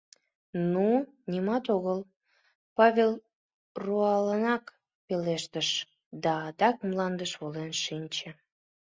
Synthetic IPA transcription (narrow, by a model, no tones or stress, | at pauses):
nu | nʲimɑt̪oɣəl | pɑβʲel | ruɑlənɑk | peleʃt̪əʃ | d̪ɑːd̪ɑkmlɑnd̪əʃβolenʃinʲt͡ɕĕ